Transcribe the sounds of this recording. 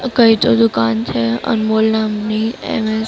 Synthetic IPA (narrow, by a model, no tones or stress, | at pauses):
kəit̪od̪ʊkant͡ʃʰeə̰nmolnamniḛme